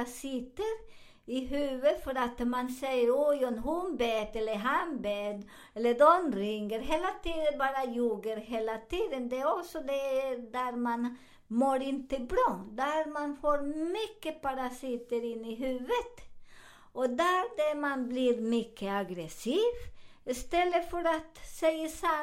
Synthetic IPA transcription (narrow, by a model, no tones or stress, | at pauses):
asɪt̪əɾ | ɪɦʉːʋəfɔɾat̪mɑnsɛjəɾɔjɔmhʊnbɛːt̪ɛlːəɾɦɑnbeːd̪ | ɛlːəd̪ɔnɾɪŋəɾɦeːlat̪ʰiːd̪əbɑːɾɑjuːɡəɾɦeːlat̪ʰiːd̪ənd̪ɛæɾɔsɔd̪ɛd̪æɾmɑn | moːɾɪnt̪əbɾɑːd̪æɾmanfoːɾmʏkːəpɑɾasɪt̪əɾɪnːɪɦʉːʋət̪ | ʔɔd̪æɾd̪ɛmɑnbliːɾmʏkʰːəaɡɾɛsiːʋɪst̪ɛlːəfɔɾat̪sɛɪəsa